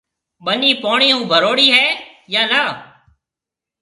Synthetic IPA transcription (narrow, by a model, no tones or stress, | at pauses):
ɓəniːpoːɳiːũːbʱəɾoːɽiːɦɛː | jaːlaː